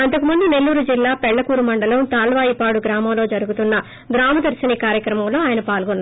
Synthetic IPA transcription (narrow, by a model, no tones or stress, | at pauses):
ɐnt̪̬ɐkumund̪ine̞lːuːɾud͡ʒilːaːpɛɭːɐkuːɾumɐɳɖɐlɐmt̪aːlʋaːjipaːɽuɡɾaːmɐmlo̞ːd͡ʒɐɾuɡut̪unːɐ | ɡɾaːmɐd̪ɐɾsiɐniːkaːɾjɐkɾɐmɐmlo̞ːaːjɐnɐpaːlɡonː